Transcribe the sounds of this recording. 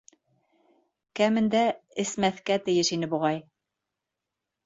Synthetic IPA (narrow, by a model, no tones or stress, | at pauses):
kæmɘ̆nd̪æɘ̆smæθkæt̪ɘ̆jɘʃinɘbuʁɑj